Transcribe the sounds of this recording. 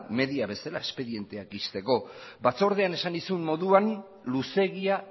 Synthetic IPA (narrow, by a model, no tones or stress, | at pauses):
me̞ðiaβe̞salae̞spe̞ðie̞nt̪e̞ak̚ɡist̪e̞ko̞bat͡so̞ɾð̞e̞ane̞sand̪isumːo̞ðuan | luse̞ɣia